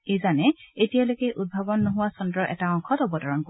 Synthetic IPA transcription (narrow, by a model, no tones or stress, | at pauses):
ejzanɛetijalojkɛʔud̚bʱabɔnːoɦʊwasɔndɹɔʔɛ̰taɔŋkʰɔtɔbɔdʱɔɹɔnko